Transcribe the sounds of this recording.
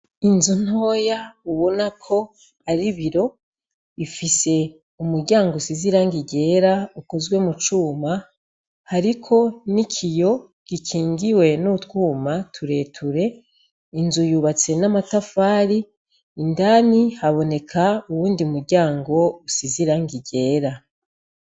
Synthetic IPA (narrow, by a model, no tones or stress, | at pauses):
inzuno̞ːjauβo̞nakʰo̞ | aɾiβiɾo̞ | ifise̞ | umuɾɟaːŋɡousiziɾaŋɡiɟe̞ːɾauko̞zɡwe̞mut͡ʃuːma | haɾikʰo̞nikʰijo̞ | ɡ̥ikʰiːŋɡiwe̞nutwuːmatʰuɾe̞ːtʰuɾe̞ | inzujuːβat͡se̞namatafaːɾiː | ndanihaβo̞ne̞kʰauwuːndiumuɾɟaːŋɡo̞usiziɾaŋɡiɟe̞ːɾa